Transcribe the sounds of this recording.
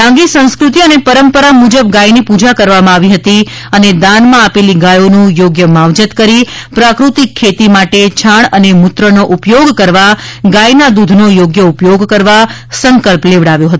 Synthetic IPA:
ãŋɡisə̃skɾut̪iənepəɾəmpəɾamud͡ʒəbɡajnipud͡ʒakəɾʋamãaʋiɦət̪i | əned̪anmãapeliɡajonũjoɡjəmaʋd͡ʒət̪kəɾipɾakɾut̪ikʰːet̪imaʈet͡ʃʰaɳənemʊt̪ɾənoʔupjoɡkəɾʋaɡajnad̪ud̪ʱnojoɡjəupjoɡkəɾʋa | səŋkəlpleʋɽaʋjõɦət̪o

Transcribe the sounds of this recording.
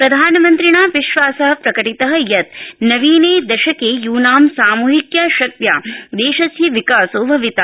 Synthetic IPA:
pɾɐd̪ʱaːnɐmɐnt̪ɾiɳaːʋiʃʋaːsɐɦɐ̆pɾɐkɐʈit̪ɐɦɐ̆jɐt̪nɐʋiːneːd̪ɐʃɐkeːjuːnaːmsaːmuːɦikjaːʃɐk̚t̪ja̰ːd̪eːʃɐsjiʋikaːsoːbʱɐʋit̪a

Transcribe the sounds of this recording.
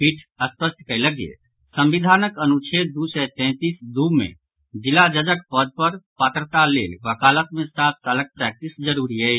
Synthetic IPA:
pʰiʈʰəspəsʈ̪kələɡjḛ | sə̃mbid̪ʱanəkənut͡ʃʰed̪usɛt̪ɛ̃t̪isd̪umḛ̃ | d͡ʒilad͡ʒəd͡ʒəkpəd̪̚pəɾpat̪ɾət̪alḛlʋəkalət̪̚mẽsat̪ːələk̚pɾɛk̚ʈisd͡ʒəɾuɾiə

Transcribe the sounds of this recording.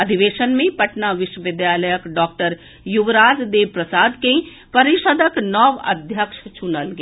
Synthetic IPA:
ɐd̪ʱiʋeːʃənmẽpɐʈnaʋɪʃwəʋɪd̪jaːləjəkɖɔːk̚ʈəɾ | juʋɾaːd͡ʒd̪eːʋpɾəsaːd̪kẽ | pɐɾɪʃəd̪əknɔːʋɐ̰d̪ʱjəkʃt͡ʃʰʊnəlɡe

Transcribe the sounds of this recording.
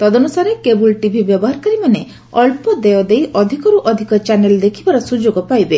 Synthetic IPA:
t̪ɔd̪ɔnusaɾekebulʈibʱibjɔbɔɦaɾkaɾimane | ɔlpɔd̪ejɔd̪ejʔɔd̪ʱikɔɾuʔɔd̪ʱikɔt͡ʃaneld̪ekʰibaɾɔsud͡ʒoɡɔpajbe

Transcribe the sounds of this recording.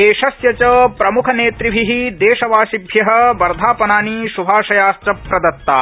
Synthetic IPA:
eːʃɐsjɐt͡ʃɐpɾɐmukʰɐneːt̪ɾiɦiɦid̪eːʃɐʋaːʃibʱjɐɦɐ̆bɐɾd̪ʱaːpɐnaːniʃubʱaːʃɐjaːst̪ɾɐpɾɐd̪ɐt̪ːaː

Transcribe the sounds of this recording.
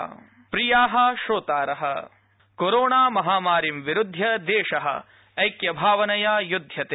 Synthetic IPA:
pɾijaːɦɐ̆ʃoːt̪aːɾɐɦɐ̰ | koɾoːɳaːmɐɦaːmaːɾimʋiɾud̪ʱjɐd̪eːʃɐɦɐ̰ | ɐjkjɐbʱaːʋɐnɐjaːjud̪ʱjɐt̪eː

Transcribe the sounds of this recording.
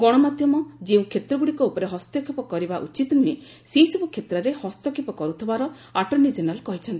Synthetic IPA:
ɡɔɽ̃ɔmad̪ʱjɔmɔd͡ʒeũkʰet̪ɾɔɡuɽikɔupɔɾeɦɔst̪jɔkʰipɔkɔɾibaʔut͡ʃit̪ɔnue | sesɔbukʰet̪ɾɔɾehɔst̪jɔkʰipɔkɔɾut̪ʰibaɾɔ | aʈɔnid͡ʒɔnalkɔɦit͡ʃʰɔnt̪ii

